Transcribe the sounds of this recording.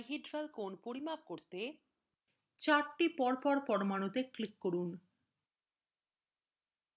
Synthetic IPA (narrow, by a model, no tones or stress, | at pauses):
ɦiɖɾalkonpoɾimab̚koɾt̪e | t͡ɕaɾʈipɔɾpɔɾpɔɾmanot̪eklikːoɾun